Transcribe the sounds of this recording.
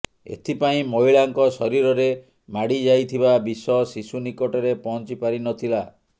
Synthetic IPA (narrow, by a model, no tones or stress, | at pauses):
ḛt̪ʰipaĩmoiɭaŋkɔsɔɾiɾɔɾe | maɽid͡ʒajt̪ʰibabisɔsisunikɔʈɔɾepɔɦnt͡ʃipaɾinɔt̪ʰila